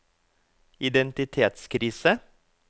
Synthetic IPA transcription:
ɪd̪ɛnt̪ɪt̪ʰeːt̪skʰɾiːsə

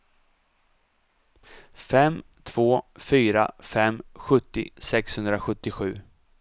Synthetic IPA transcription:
fɛmː | t̪ʰv̥oːfyːɾa̰fɛmːɧɵt̪ːɪ̰sɛkshɵnd̪ɾaɧɵt̪ːɪɧʉ̟ː

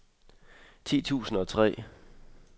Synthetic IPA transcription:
t͡sʰḭːt͡sʰṵːsn̩ɒ̽t͡sʰʁɛ̰ː

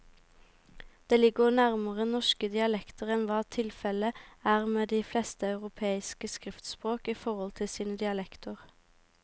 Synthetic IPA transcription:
d̪̥eːlɪɡəʁnæʁməʁənɔʃkəd̪ɪɑlɛkt̪əʁɛnʋɑːt̪ʰɪlfɛləæːʁmeːd̪iːflɛːst̪əɑʉʁʊpʰeːɪskəskʁɪft̪spʁoːkiːfɔʁɔlt̪ʰɪlsiːnəd̪ɪɑlɛkt̪əʁ

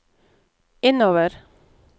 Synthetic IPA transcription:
ɪnoːʋəɾ

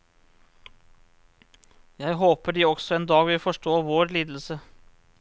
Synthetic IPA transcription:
jæɪɦoːpəɖiːɔɡsɔeːnd̪ɑːɡʋɪlfɔʂʈoːʋoːɾliːd̪l̩sə

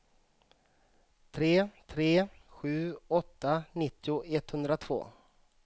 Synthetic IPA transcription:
t̪ʰɾeːt̪ʰɾeːɧʉ̟ːɔt̪ːanɪt̪ːɪʊɛt̪hɵnd̪ɾat̪ʰv̥o̰ː

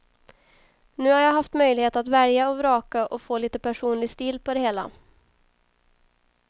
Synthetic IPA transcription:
nʉ̟ːhaɾjaːɦaft̪mœjlɪheːt̪at̪væɾjaɔvɾɑːkaʔɔfoːliːt̪əpæʂuːnlɪɡst̪iːlpʰɔd̪ɛheːla̰

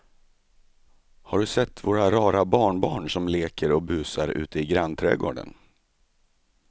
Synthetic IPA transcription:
haɖɵsɛt̪ːvoːɾaɾɑːɾabɑːɳbɑːɳʂɔmleːkʰəɾɔbʉ̟ːsaɾʉ̟̰ːt̪ʰəɪɡɾant̪ʰɾɛ̰ːɡo̰ːɖə̰n

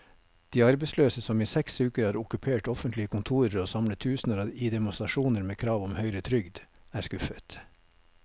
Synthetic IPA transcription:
d̪̥iːɑɾbɛɪsløːsəsɔmiːsɛksʉːkəɾhɑːɾʊkʉpʰeːʈɔfənt̪lɪəkʰʊnt̪ʰuːɾəɾoːsɑmlət̪ʰʉːsn̩əɾid̪ɛmʊst̪ɾɑʃuːnəɾmeːkʰɾɑːʋɔmhœʏɾət̪ʰɾʏɡd̪æːskʉfət̪

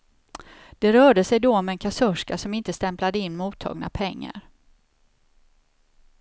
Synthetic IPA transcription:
d̪̥ɛɾœːɖəsɛjd̪ɔmɛɛnkʰasœʂkasɔmɪnt̪əst̪ɛmplad̪əɪnːmuːt̪ʰːɑ̰ːɡna̰pʰɛŋːa̰ɾ

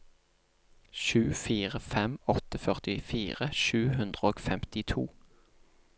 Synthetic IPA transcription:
ʃʉːfiːʁəfɛmɔt̪əfœʁt̪ɪfiːʁəʃʉːhʉnd̪ʁəoːɡfɛmt̪ɪt̪ʰṵː

